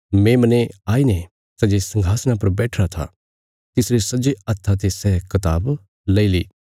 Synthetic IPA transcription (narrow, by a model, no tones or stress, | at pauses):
mẽmɐneaːine | sɐd͡ʒesɐ̃ŋɡʱaːsñapɐɾbɛːʈʰɾat̪ʰa̰ | t̪ɪsɾesɐd͡ʒeɐt̪ʰːat̪̬esɛːkɐt̪aːb | lɐiliː